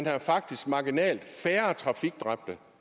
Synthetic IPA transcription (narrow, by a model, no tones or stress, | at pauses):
nhæfɑ̈ɡ̥̚d̥isɡ̥mɑ̈ɡ̥inɛ̰ːld̥fæːɐt͡sʰʁɑ̈fiɡ̥d̥ʁɑb̥̚d̥ə